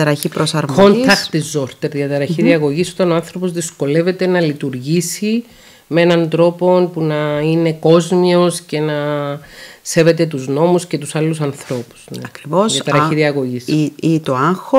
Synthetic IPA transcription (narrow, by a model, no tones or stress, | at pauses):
ɐɾɐçipɾosɐɾkontiɾɐkt̪izoɾt̪eɾðiɐt̪ɐɾɐçiðiɐɣo̞ʝiso̞t̪ɐnoanθɾo̞pozðisko̞le̞ve̞t̪e̞nɐlit̪uɾʝisi | mee̞nɐnd̪ɾo̞po̞npunɐine̞ko̞zmio̞sce̞nɐ | se̞ve̞t̪e̞t̪uzno̞musce̞t̪usɐlːusɐnθɾo̞pu̥z̥neɐkɾivosɐt̪ɐɾɐçiðiɐɣo̞ʝisit̪oɐŋxo